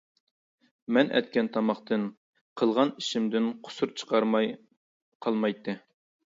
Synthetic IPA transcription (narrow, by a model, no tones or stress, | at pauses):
mɛnʔɛ̰t̪̚kʲʰɛnt̪ʰɑmɑχt̪ɨn | qʰəlˠʁɑniʃɪmd̪ɪnqʰʊ̥suɾt͡ʃʰə̥qʰɑɾmɑj | qʰɑlˠmɑjt̪ʰːɨ